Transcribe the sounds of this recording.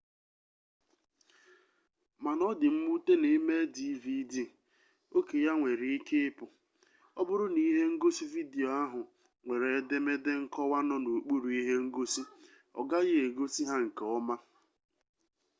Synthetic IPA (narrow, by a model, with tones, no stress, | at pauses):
ma˨nɔ˦dɪ˨m̩˦mu˦te˦ne˨˦me˦di˦vi˦di˦˨ | o˦ke˨ja˦ŋʷe˨ɾe˨i˦ke˦pʊ˨ | ɔ˦bʊ˦ɾʊ˦ni˦ɦe˦ŋ̩˦ɡo˦si˦vi˦di˨o˨a˦ɦʊ˨ | ŋʷe˨ɾe˨˦de˦me˦de˦ŋ̩˦kɔ˦wa˦nɔ˦no˨k͡pu˦ɾu˨i˦ɦe˦ŋ̩˦ɡo˦si˦ | ɔ̰˨ɡa˦ɣɪ˦e˨ɡo˦si˦ɦa˦ŋ̩˨ke˨ɔ˦ma˦